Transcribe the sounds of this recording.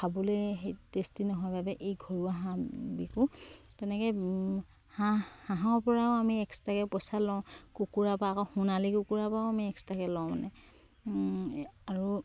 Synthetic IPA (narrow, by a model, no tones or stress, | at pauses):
kʰabɔleɦejtestinɔɦɔjbabɛʔejɡʱɔɹuaɦãbikũ | tɛnɛkɛ | hahãɦaɔɹpɔɹaʊ̃amiɛkstakɛpɔsalɔʊ̃kukuɹapaːkɔxũnalikukuɹapaʊ̃amiɛkstakɛlɔ̃ma̰nɛ̰ | aɹu